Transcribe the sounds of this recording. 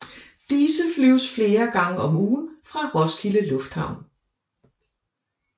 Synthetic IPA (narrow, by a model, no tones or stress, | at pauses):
d̥iːsəflyʊ̰sfle̝ːɐɡ̥ɑ̈ŋəɒ̽muːn̩fʁɑ̈ʁɒ̽skʰiləlɔ̽fd̥hɑ̈ʊ̰n